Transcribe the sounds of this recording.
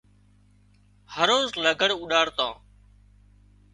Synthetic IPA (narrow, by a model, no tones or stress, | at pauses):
həɾoːzləɡʱəɽʊɗaːɽt̪ãː